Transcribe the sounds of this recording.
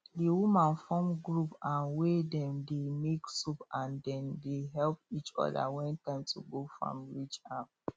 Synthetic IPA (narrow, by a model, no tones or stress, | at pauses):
diwumãnfɔ̃mɡɹupãnwedɛ̃mdemeksupãndɛ̃ndeɦɛlp̚it͡ʃɔ̰da̰wɛ̃ntãɪ̃mtʰuɡofɹɔ̰̃mɹit͡ʃap